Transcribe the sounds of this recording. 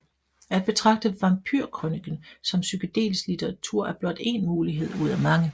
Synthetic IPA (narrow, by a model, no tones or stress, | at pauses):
æd̥̚b̥e̝t͡sʰʁɑ̈ɡ̥̚d̥əʋɑ̈ŋpʰy̰ɐkʰʁønɡ̥ən̩sɒ̽msykəd̥e̝̰ːlslit͡sʰeʁɑt͡sʰuɐ̰æɐb̥lɒ̽d̥e̝nmuːliɦe̝ð̞̰ˠuð̞̰ˠæmɑ̈ŋə